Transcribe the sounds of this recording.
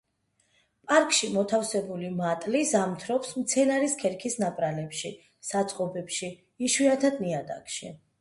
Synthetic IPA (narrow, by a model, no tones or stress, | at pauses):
pʼaɾkʼʃimɔt̪ʰafsɛbulimat̪ʼlizamt̪ʰɾɔpsmt̪sʰɛnaɾiskʰɛɾkʰisnapʼɾalɛpʃi | sat̪sʼqʼɔbɛpʃiː | ʃwiat̪ʰad̪niad̪a̰kʼʃi